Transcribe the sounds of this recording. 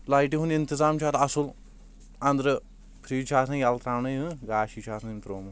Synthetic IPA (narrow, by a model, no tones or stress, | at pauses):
lajʈ̬iɦunʲint̪izaːmt͡ʃʰaːt̪ɐsul | ɐnd̪ɾɨ | pʰɾiːt͡ʃʰaːsɨ̃jɐlt̪ɾaːwnɨjɨɡaːʃit͡ʃʰaːsʰnnt̪ɾoːm